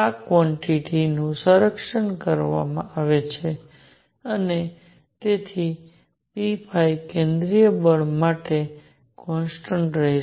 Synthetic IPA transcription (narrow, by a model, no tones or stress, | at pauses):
akʋɔɳʈiʈinũsəɾəkʂəɳkəɾʋa̰mã̰aʋet͡ʃʰe | əne | t̪et̪ʰi | pipʰajkẽnd̪ɾijəbəɭmaʈe | kɔnsʈəɳʈɾəɦi